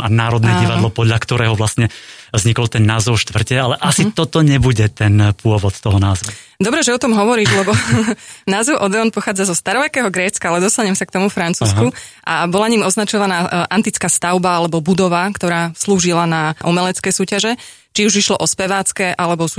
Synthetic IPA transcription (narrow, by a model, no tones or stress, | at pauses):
anaːɾɔd̪nɛɟiʋad̪lɔpɔd̪lʎakt̪ɔɾɛːɦɔʋlasɲɛzɲikɔlt̪ɛnːaːzɛʊʃt̪ʋr̩cɛalɛʔasit̪ɔt̪ɔɲɛbuɟɛt̪ɛnpʊɔʋɔt̪t̪ɔɦɔnaːzʋu | d̪ɔbɾɛʒɛɔt̪ɔmɦɔʋɔɾiːʒlɛbɔ | naːzɛʊʔɔd̪ɛɔnpɔxaːd͡zazɔst̪aɾɔʋɛkɛːɦɔɡɾɛːt͡skaalɛd̪ɔst̪aɲɛmsak̚t̪ɔmufɾant͡suːsku | ʔabɔlaɲiːmɔznat͡ʃɔʋanaːʔant̪it͡skaːst̪aʊbaalɛbɔbud̪ɔʋakt̪ɔɾaːsluːʒilanaʔumɛlɛt͡skɛjsuːcaʒɛ | t͡ʃiuʒiʃlɔʔɔspɛʋaːt͡skɛʔalɛbɔs